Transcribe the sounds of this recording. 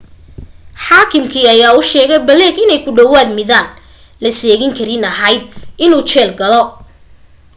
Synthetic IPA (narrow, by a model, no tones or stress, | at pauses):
ħaːkʰɪmkʰiːɐjaːʊʃɛːɣɛjbɐlɛːɡɪnɛjkʰʊɖɐwaːd̪mɪðaːn | lɐsɛːɣɪŋkʰɐɾɪnɐɦɐjd̪̚ɪnuːt͡ʃɛːlɡɐlɔ